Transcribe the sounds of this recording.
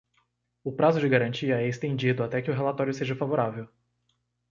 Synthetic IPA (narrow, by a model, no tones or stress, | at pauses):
ʊpɾazʊd͡ʒɪɡaɾɐ̃t͡ʃiɐɛɪst̪ẽd͡ʒid̪ʊat̪ɛkɪʊɦelat̪ɔɾjʊseʒɐfavoɾavew